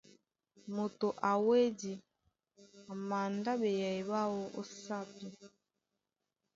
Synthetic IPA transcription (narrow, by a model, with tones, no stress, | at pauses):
mo˨to˨ʔa˨we˦di˨ | a˨ma˨nda˦bɛ˨ja˨i˨βa˦wo˦o˦sa˦pi˦